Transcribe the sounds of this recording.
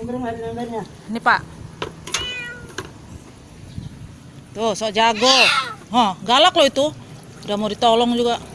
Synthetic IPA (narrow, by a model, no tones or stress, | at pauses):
ŋadlabarɲa | nipaʔ | t̪usɔʔd͡ʒaɡɔɦɔɡalaklɔit̪u | damodit̪ɔlɔŋd͡ʒuɡaʔ